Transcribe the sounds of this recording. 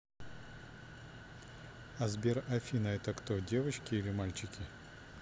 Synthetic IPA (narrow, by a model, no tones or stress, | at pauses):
ɐzbʲerɐfʲinɐɛt̪əkt̪odʲe̞vət͡ɕkʲɪilʲɪmalʲt͡ɕɪkʲɪ